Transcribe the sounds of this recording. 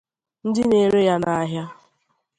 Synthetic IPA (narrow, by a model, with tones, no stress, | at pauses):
n̩˦dɪ˦ne˨ɾe˦ja˦na˨a˦ɦja˦